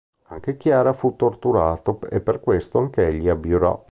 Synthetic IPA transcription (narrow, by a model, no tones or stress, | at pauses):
aŋk̟ek̟jaːɾafut̪ːort̪uɾaːt̪oḛpːerkwest̪oaŋkeeʎːiabjuɾɔ̰